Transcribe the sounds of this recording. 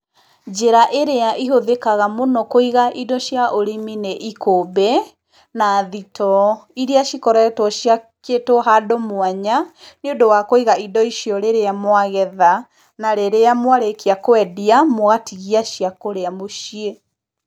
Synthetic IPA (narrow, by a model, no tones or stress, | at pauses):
d͡ʑeɾaʔeɾeaʔiɦoðekaɣamonɔkoiɣaʔidɔʃjaʔoɾimineʔikobɛ | naðitʰɔiɾeaʃikɔɾɛtwɔɕja | ketoɦadomwaɲaneodowakoiɣaidɔiʃijɔɾeɾeamwaɣɛða | naɾeɾeamwaɾekiakoɛdiamoɣatiɣiaʃiakoɾeamoʃie